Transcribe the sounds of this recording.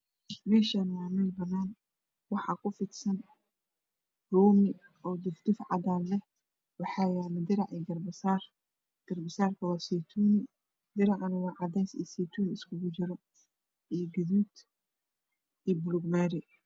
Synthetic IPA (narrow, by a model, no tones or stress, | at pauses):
mɛːʃanmaːmulbɐnaːn | wɑħɑːkʰʊfɪt̪sɐn | ruːmɪ | ɔːd̪ɪfd̪ɪfʕɑ̰d̪aːnlɛh | wɑħɑːjaːlɐd̪ɪɾɑʕɛɡɐrbɐsaːr | ɡ̥ɐrbɪsaːrkʰɐwɐsiːt̪ʰuːn | d̪ɪɾɑʕɐnɪwaːʕɑd̪ɛjsḭːsiːt̪ʰuːnɪskʰʊɣʊt͡ʃɪɾɔ | ijɡɐðuːd̪ | iːbʊlʊɡmaːɾɪ